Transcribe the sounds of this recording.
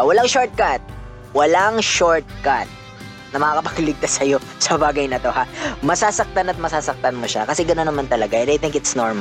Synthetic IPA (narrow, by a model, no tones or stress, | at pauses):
wɐlaŋʃoɹt̪̚kat̪̚ | wɐlaŋʃoɹt̪̚kat̪̚ | nɐmɐkaːkɐpɐɡlɪɡ̚t̪asːɐjo̞ | sɐbaːɡɐjnɐt̪o̞hamɐsaːsɐk̚t̪anɐt̪̚mɐsaːsɐk̚t̪anmoʃa̰kɐsɛɡɐnonːɐmant̪ɐlɐɡaʔɛnd̪ajt̪ɪŋkɪt̪snoɹma